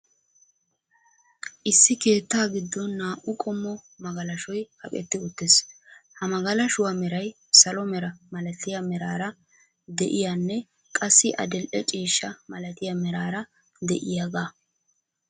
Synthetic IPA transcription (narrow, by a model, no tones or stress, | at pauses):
ʔɪsːɪke̞ːt̪ːaːɡɪd̪ːɔnːaːʔʊkʼɔmːɔ | mɐɡɐlɐʃɔjhɐ̰kʼɛ̰t̪ːɪʊt̪ːeshɐmɐɡɐlɐʃʊwamɛɾɐj | sɐlɔmɛɾɐmɐlɐt̪ɪjɐmɛɾaːɾɐ | d̪ɛʔɪjanːɛ | kʼɐsːɪʔɐ̰d̪ɛlʔɛt͡ʃʼiːʃːɐmɐlɐt̪ɪjamɛɾaːɾɐ | d̪ɛʔɪjaɡaː